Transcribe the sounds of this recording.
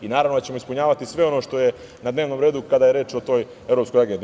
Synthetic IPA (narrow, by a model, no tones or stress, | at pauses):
inaːɾavnod̪at͡ɕe̞mo̞ispuɲaːʋat̪isʋe̞o̞noʃt̪o̞je̞ | nad̪ne̞ːʋno̞mɾeːd̪ukad̪aːje̞ɾe̞ːt͡ʃot̪o̞ːj | e̞vɾopskojaɡend̪i